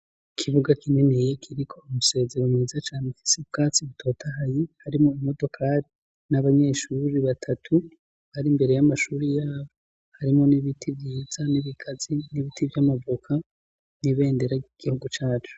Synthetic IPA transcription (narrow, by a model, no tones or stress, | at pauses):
ikʰiβuɡakineneje̞kʰiɾikʰo̞umuse̞ːze̞ɾomŋiːzat͡ʃaːnefi̥seβɡaːt͡siβutʰo̞ːtʰaɦajihaɾimŋo̞imo̞do̞kʰaɾi | naβaɲe̞ːʃuɾiβatʰatʰu | βaɾimbe̞ɾe̞jamaʃuɾijaːβo | haɾimŋo̞niβitʰivjiːz̥aniβikʰaz̥iniβitʰivjamavukʰa | niβe̞ːnde̞ɾaiɡ̥ihuɡut͡ʃaːt͡ʃu̥